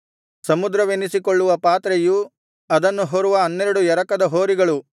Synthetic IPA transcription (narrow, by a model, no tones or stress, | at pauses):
sɐmud̪ɾɐʋenisikoɭːuʋɐpaːt̪ɾeju | ɐd̪ɐnːuɦoɾuʋɐɐnːeɾɐɽujɛɾɐkɐd̪ɐɦoːɾiɡɐɭu